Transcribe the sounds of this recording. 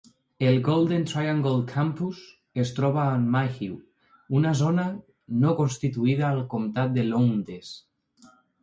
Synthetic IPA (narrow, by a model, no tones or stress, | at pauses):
elɡold̪ent̪ɾajaŋɡolkʰampus | est̪ɾoβaːnmaxiw | unazona | nokonst̪it̪uiðaːlkomt̪at̪̚d̪elond̪ɾes